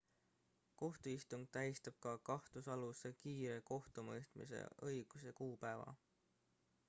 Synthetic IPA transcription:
ko̞ht̪uist̪uŋɡ̥̚t̪æɦjst̪ɑb̥̚kɑkɑht̪usɑlusekiːɾe̞ko̞ht̪umɤjst̪mḭse̞̰ʔɤjɡ̥use̞kuːpæevɑ̰

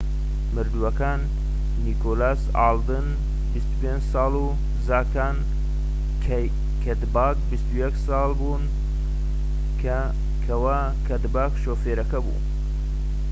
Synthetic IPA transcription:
mɨɾd̪uɐkaːnː | iːkolaːs | aːld̪ɨn | bist̪u̥peːnd͡ʒsɑːlu | zaːkaːnʰ | kʰɐd̪baːk̚bist̪ujɛksɑːlbun | kʰɐwa | kʰɐd̪baːkʃoːfeːɾɐkɐbṵː

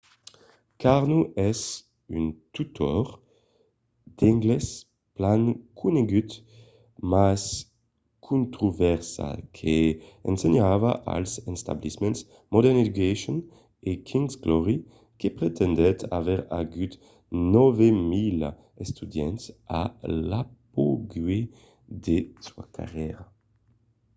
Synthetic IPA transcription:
kaʁnuʔɛs | ynt̪ut̪ʰɔʁ | d̪̥iŋɡlɛs | plankʰuneɡyt̪ | mas | kʰũnt̪ʁuvɛʁsa̰kʰeɛnseɲavaʔa̰lsɛnst̪a̰blismɛ̃ns | mɔd̪ɛʁned̪ykeʃɔn | ekʰĩŋzɡlɔʁi | kepʁet̪ɛnd̪ɛt̪ʰa̰vɛʁaɡyt̪ | nɔvemil | est̪ud̪jɛ̰nt̪sa̰lap̚oɡɥe | d̪esua̰kʰa̰ʁjɛʁa

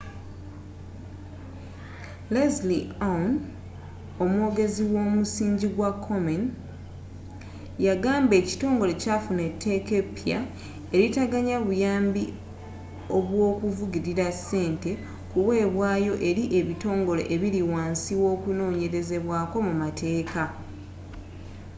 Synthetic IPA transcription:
lezlian | o̞mwo̞ːɡe̞ziwo̞ːmusiːɲɟiɡwakʰːo̞men | jaɡaːmbe̞ːci̥to̞ːŋɡo̞le̞cafune̞tʰːe̞ke̞pja̰ | e̞ɾitaɡaɲaβujaːmbi | o̞βwoːkuvuɟiɾiɾase̞ːnte̞ | kuwe̞ːβwaːjo̞ʔe̞ɾiʔe̞βito̞ːŋɡo̞le̞̰ʔeβiɾiwaːnsiwo̞ːkuno̞ːɲe̞ɾe̞ze̞βwaːko̞mumatʰe̞ːka

